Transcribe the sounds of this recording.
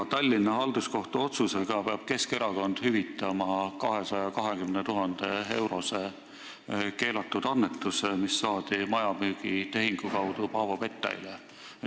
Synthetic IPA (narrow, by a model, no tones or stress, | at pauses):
t̪ɑlʲːinːɑɦɑld̪̥usko̞ht̪uo̞t̪suse̞ɡ̥ɑpe̞ɑb̥ke̞ske̞ɾɑko̞nd̪̥hyvit̪ːˑɑmɑkɑɦe̞sɑjɑkɑɦe̞kymnet̪uɦɑnd̪̥e̞e̞wɾo̞se̞ | ke̞ːlɑt̪ːˑud̪̥ɑnːet̪ːˑusemisːɑːd̪̥imɑjɑmyːɡ̥it̪e̞ɦiŋɡ̥ukɑwd̪̥upɑːvope̞t̪ːˑɑ̰jle